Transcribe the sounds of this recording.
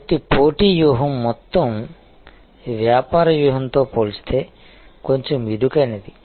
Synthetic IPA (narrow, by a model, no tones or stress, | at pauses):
t̪ipoːʈijuːɦɐmːɔt̪ːɐm | ʋjaːpaːɾɐjuːɦɐnt̪oːpoːlsi̥t̪ʰeː | koɲt͡ʃomid̪ukɐjnɐd̪i